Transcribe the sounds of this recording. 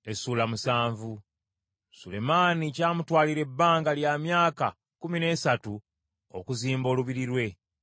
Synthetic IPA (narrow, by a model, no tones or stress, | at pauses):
e̞suːlamusaːɱvu | sule̞maːnicaːmutwaːliɾe̞bːaːŋɡaljamjaːka̰ | kumine̞ːsatu | o̰kuziːmbo̞ːluβiɾiɾwe̞